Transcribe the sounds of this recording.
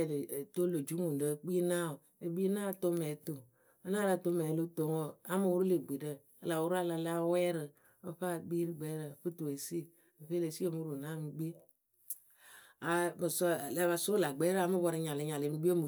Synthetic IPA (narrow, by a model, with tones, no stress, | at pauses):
lto˦lo˨d͡ʒu˦ŋu˨ndə˦k͡pi˦na˦o˨ | e˨bi˦na˦˨to˦mɛ˨˦to˨ | ə˦na˦ɾa˦˨to˦mɛ˨lo˦to˨ŋo˦a˦mo˨wu˦ɾu˦le˨ɡ͡bi˨də˦ | ə˦la˨wu˦ɾa˦la˨la˦wɛ˦ɾə˨ | ə˦ɸa˦ɡ͡bi˦ɾi˦ɡ͡bɛ˦ɾə˨ɸɨ˦tu˨e˨si˦˨ | ɸe˦le˨si˦o˨mu˦ɾu˨na˦˨m˨˦ɡ͡bi˦ | a˨mə˨sɔ˦˨la˦βa˨so˦la˨ɡ͡bɛ˦ɾa˨˦mə˦bɔ˦ɾi˦ɲa˨li˨˦ɲa˨le˨nu˨˦ɡ͡bi˦e˦mu˨